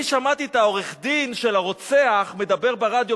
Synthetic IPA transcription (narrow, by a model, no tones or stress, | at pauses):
iʃamat̪it̪ao̞ʁeχd̪inʃe̞laʁo̞t͡seaχme̞d̪abe̞ʁbeʁad̪jo